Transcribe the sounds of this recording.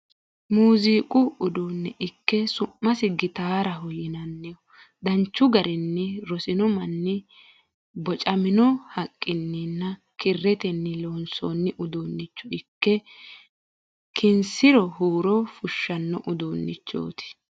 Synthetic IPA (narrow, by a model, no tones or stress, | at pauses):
muːziːkʼʊʊd̪uːnːɛʔɪkːɛsʊmːɐsɪɡɪt̪aːɾɐɦʊjɪnɐnːɪjɔ | d̪ɐnt͡ʃːʊɡɐɾɪnːɪɾɔsɪnɔmɐnːɪ | bɔt͡ʃʼɐmɪnɔhɐkʼːɪnːɪnːɐ | kɪrːɛt̪ɛnːɪlo̞ːnso̰ːnːɪʔʊd̪oːnːɪt͡ʃːʊɪkːɛ | kʰɪnsɪɾɔhuːɾɔfʊʃːɐnːɔʔʊd̪oːnːɪt͡ʃːo̰ːt̪ɪ̥